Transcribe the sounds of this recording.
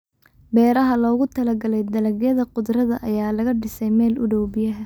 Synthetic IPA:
bɛːɾɐɦɐlɔːɣʊt̪ʰɐlɐɡɐlɛjd̪ɐlɐɡjɐðɐqʊd̪rɐðɐʔɐjaːlɐɣɐɖɪsɛjmɛːlʊɽɔwbɪjɐɦɐ

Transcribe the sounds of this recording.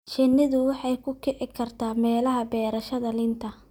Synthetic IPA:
t͡ʃɪnːɪðʊwɑħɑjkʰʊkʰɛʕɪkʰɐrt̪ʰaːmɛːlɐɦɐbɛːɾɐʃɐðɐlɪnt̪ʰɐ

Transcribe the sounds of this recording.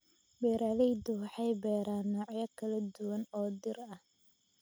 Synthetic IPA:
bɛːɾalɛjd̪ʊwɑħɑjbɛːɾaːnːɔːʕjɐkʰɐlɐd̪ʊwɐnɔːd̪ɪrɐh

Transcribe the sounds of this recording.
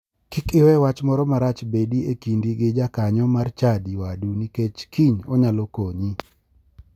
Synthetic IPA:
kɪkɪwɛwat͡ʃmɔɾɔmaɾat͡ʃbediekindiɡɪd͡ʒakaɲɔmart͡ʃadiwaduniket͡ʃkʰiɲɔɲalɔkoɲi

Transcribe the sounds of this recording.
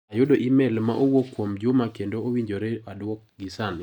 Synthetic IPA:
ajʊdoʔimɛlmaʔowokwomd͡ʒʊmakendoowiɲd͡ʒoɾɛadwɔk̚ɡɪsan

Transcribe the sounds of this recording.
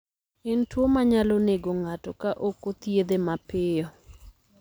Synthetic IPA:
ɪntwomaɲalɔneɡoŋatɔkaʔokot̪jed̪emapɪjɔ

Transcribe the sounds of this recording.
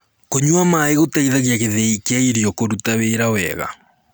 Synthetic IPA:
koɲuamaeɣotaiðaɣjakeðeikeaiɾiɔkoɾutaweːɾawɛ̰ɣa̰

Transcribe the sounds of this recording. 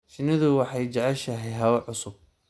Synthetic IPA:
ʃɪnɪðʊwɑħɑjt͡ʃɐʕɛʃɐɦɛjɦɐwɐʕʊsʊb̚

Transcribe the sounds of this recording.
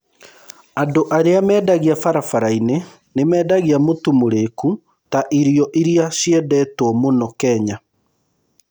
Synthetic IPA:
andoʔaɾeamɛːdaɣiafaɾafaɾaine | nemɛːdaɣiamotumoɾeku | taʔiɾjɔʔiɾiaɕiɛdɛtwɔmonɔkɛɲa

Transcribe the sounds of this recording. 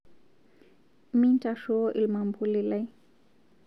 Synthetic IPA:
mintaʃoʔilmambulilaj

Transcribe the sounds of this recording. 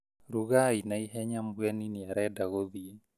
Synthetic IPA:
ɾuɣainaiɦɛɲambuɛniniaɾɛdaɣoði

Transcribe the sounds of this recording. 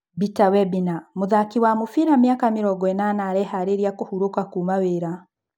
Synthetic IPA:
bitawɛbinamoðakiwamofiɾamjakamiɾɔɡɔɛnanaɾɛhaɾeɾiakohuɾokakumaweːɾa

